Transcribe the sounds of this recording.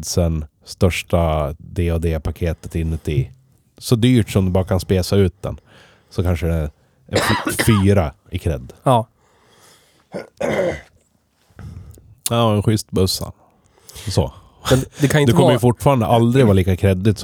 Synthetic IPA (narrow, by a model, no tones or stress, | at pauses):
d̪sɛn | st̪œʂʈad̪eɔd̪ɛːpʰakʰeːt̪ə̥t̪ɪnːət̪ʰɪ | sɔd̪yːʈʂɔmd̪ɛbɑːɾakʰanspeːsaʉ̟ːt̪̚d̪ɛ̰n | sɔkʰanʂəd̪ɛ | ffyːɾa | ɪkʰɾɛ̰d̪ː | ɑːɛnɧʏst̪bɵsːa̰ | sɔ̰ | mɛd̪ɛkʰanɪtd̪ɛk̪kɔmːəjəfʊʈːfɑːɾand̪əʔald̪ɾɪɡvaːliːkakʰɾɛd̪ːɪt̪s